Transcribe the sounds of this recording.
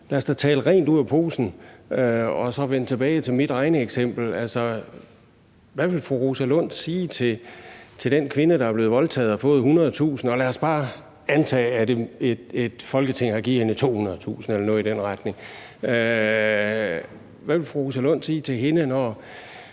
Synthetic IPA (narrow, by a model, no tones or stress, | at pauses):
læɐsd̥ɑt͡sʰɛ̰ːləʁɛ̰ːnd̥uð̰ˠæpʰo̝̰ːsn̩øɒ̽sɒ̽ʋenət͡sʰe̝b̥ɛːɪt͡sʰe̝lmid̥ɑ̈ɪnəeɡ̥sem̰b̥l̩ælsɒ̽ | ʋæʋe̝lfʁuʁosælɔ̽n̰d̥siːt͡sʰe̝t͡sʰe̝ld̥enkʰʋe̝nəɾ̥ɑ̈ɐb̥le̝ːðˠʋɒ̽lt͡sʰɛ̰ːð̞̩ˠɒfɔ̽ːðˠɦunɐð̩ˠt͡sʰṵːsn̩ɒ̽læːɐsb̥ɑ̈ː | ænt͡sʰɛ̰ːæd̥e̝̥ed̥fɒ̽lɡ̥ət͡sʰe̝ŋ̰hɑ̈ɡ̥iðˠhenət͡sʰo̝̰ːhunɐðˠt͡sʰṵːsn̩elɐnɔ̽ːid̥enʁɑd̥ne̝ŋ | ø | ʋæʋe̝lfʁuʁosælɔ̽n̰̥siːt͡sʰe̝ɦe̝nənɒ